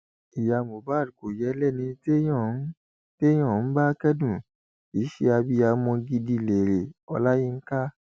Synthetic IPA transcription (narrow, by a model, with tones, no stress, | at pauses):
i˨ja˧˨mo˨ba˨˦˨du˨ko˨jɛ˨˦lɛ˦˨nĩ˧te˦jɔ̃˦˨˦ | te˦j̃ɔ̃˦˨n̩˦ba˦kɛ˦dũ˦˨ | i˨˦ʃe˧a˧bi˧˦a˧mɔ̃˧ɡi˧di˧˨le˨ɾe˨ɔ̰˧la˦ji˦˧ŋ̩˦ka˦